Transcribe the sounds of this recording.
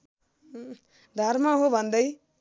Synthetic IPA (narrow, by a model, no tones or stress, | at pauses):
d̪ʱʌɾmaɦobʱʌnd̪ʌj